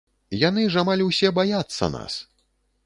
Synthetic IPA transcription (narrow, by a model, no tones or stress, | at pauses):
janɨʐamalʲwsʲɛbajat̪sːɐ̰na̰s